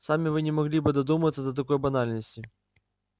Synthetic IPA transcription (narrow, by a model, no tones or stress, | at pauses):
samʲɪvɨnʲɪmɐɣlʲibɨd̪ɐd̪uməvət̪səd̪ət̪ɐkɔjbɐnalʲnəsʲtʲɪ